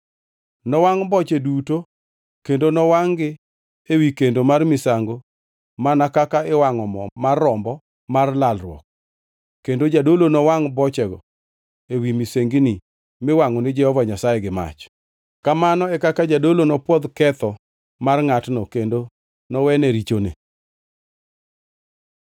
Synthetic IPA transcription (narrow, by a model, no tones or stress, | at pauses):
nɔwaŋbɔt͡ʃeduto | kendonɔwaŋɡɪ | ewikendomarmɪsaŋɡo | manakakaewaŋɔmɔmarːɔmbɔ | marlalrwɔ̰k̚ | kendod͡ʒadolonɔwaŋbɔt͡ʃɛɡɔ̰ | ewimiseŋɡini | mɪwaŋɔnɪd͡ʒɛhɔvaɲasajeɡɪma̰t͡ʃ | kamanɔɛkakad͡ʒadolonɔpwɔd̪kɛt̪ɔ | marŋatnɔkendo | nɔwɛnɛɾit͡ʃonḛ